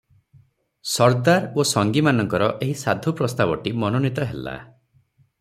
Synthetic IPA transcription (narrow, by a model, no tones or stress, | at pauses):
sɔɾd̪aɾosɔŋɡimanɔŋkɔɾɔʔeɦisad̪ʱupɾɔst̪abɔʈimɔnonit̪ɔɦḛla̰